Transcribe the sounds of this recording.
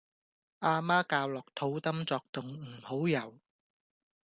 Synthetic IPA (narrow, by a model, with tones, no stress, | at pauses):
ʔaː˧maː˥kaː˧wlɔː˨k̚t̪ʰo˨˥wt̪ɐ˥mt͡sɔː˧k̚t̪ʊ˨ŋm̩˨˩ho˨˥wjɐ˨˩w